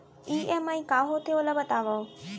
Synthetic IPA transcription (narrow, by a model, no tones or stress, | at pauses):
iːʔeːmaːĩkaːɦot̪ʰioləbət̪aːʋɐo